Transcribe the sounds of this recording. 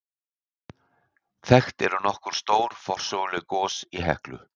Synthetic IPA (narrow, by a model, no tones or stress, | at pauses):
θɛxt̪ɛɾʏnɔhkʏɾ̥st̪oːwɾ̥fɔr̥sɔɣlɪkɔːsiɦɛ̰hklʏ̰